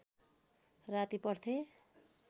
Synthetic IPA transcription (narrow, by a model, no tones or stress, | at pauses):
rat̪ipʌrt̪ʰe